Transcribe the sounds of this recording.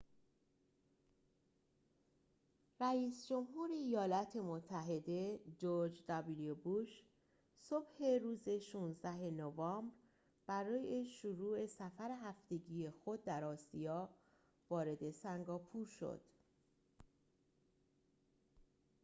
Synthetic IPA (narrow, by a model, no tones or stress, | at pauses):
ræiːsd͡ʒo̞mɦuːɾe̞ijɒːlɒːt̪ʰe̞mot̪ʰːæɦe̞d̪e̞d͡ʒoɾd͡ʒd̪ɒbiliobuʃ | so̞b̥he̞ɾuːze̞ʃuːnzd̪æɦe̞novɒːmbɾ | b̥æɾɒːje̞ʃuɾuːe̞sæfæɾeɦæft̪e̞ɟije̞xo̞d̪̚ːæɾɒːsijɒː | vɒːɾe̞d̪e̞sæŋɡɒːpʰuːɾʃo̰d̪̥